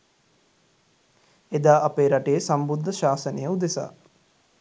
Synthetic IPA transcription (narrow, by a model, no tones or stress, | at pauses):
ed̪aːʔapeːɾaʈejəsambud̪ʱːəʃaːsənejəud̪esa̰ː